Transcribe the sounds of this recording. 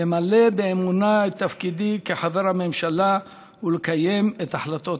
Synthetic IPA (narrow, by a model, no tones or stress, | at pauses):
emale̞beːmunaet̪ːafkid̪ikeħaveʁhame̞mʃala | ulekaje̞met̪aħlat̪o̞